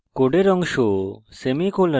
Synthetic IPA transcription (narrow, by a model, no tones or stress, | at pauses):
koɖeɾɔŋʃosemikolə